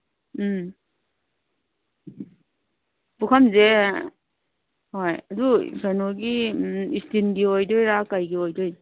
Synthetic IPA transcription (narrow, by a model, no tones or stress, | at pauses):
bukʰanze | hojadṵsanɔɡiistinɡiojdɔjɾakajɡiɔjdɔj